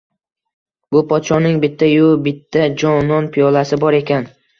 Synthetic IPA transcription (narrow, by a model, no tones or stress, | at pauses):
bʊpʰɒt̪ʃɒnɪŋbɪt̪ʰːajʊbɪt̪ʰːad͡ʒɒnɒnpʰɪjɒlasɪbɒɾe̞kʲʰan